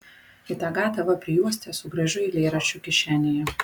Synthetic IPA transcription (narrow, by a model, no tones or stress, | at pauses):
ɪt̪ɑɡɑːt̪ɐʋɐpʲɾʲɪjuːsʲt̪ʲɛsʊɡɾɐʒʲʊilʲeːɾɐt͡ʃʲʊkʲɪʃʲæːnʲɪjɛ